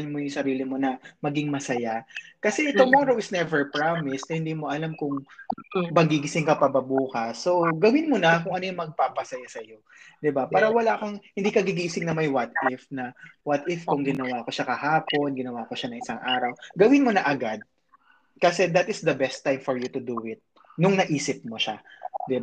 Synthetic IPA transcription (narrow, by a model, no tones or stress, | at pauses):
nmojʊŋsɐɾiːlɪmo̞nɐmɐɡɪŋmɐsɐjakɐsɛt̪ʊmɔɾowɪtsnɛvɛɹpɹamɪsɐhɪnd̪iːmoʔɐlamkʊŋ | bɐŋɡiɡɪsɪŋkɐpɐbɐbuːkɐsːo̞ɡɐwɪnmonɐkʊŋʔɐnojʊŋmɐɡ̚papɐsɐjasɐjo̞ | d̪ɪbapaːɾɐwɐlakɐŋhɪnd̪iːkɐɡiɡiːɡsɪŋnɐmɐjwɐt̪ʔɪfnɐwɐt̪ʔɪfkʊŋɡɪnɐwaːko̞ʃakɐhaːpo̞nɡɪnɐwakoʃanɐŋʔɪsaŋʔaːɾɐwɡɐwɪnmonɐʔɐɡad̪̚ | kɐsɛd̪ɐt̪ɪsd̪ɐbɛst̪ːajmfɔɹjut̪ʊd̪uʔɪt̪̚ | nʊŋnɐʔiːsɪp̚moʃad̪ɪb